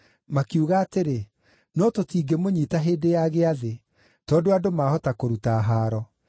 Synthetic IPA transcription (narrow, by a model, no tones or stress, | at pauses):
makiuɣaːteɾe | nɔtotiːɡemoɲiːtaɦeːdejaɣeaðe | tɔːdoadomahɔtakoɾutaːɦaːɾɔ